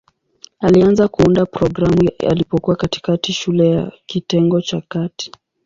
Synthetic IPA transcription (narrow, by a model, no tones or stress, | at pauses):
alianzakuundapɾɔɡɾamua̰lipɔkuwakati̥katiʃulɛjakitɛŋɡɔt͡ʃakati̥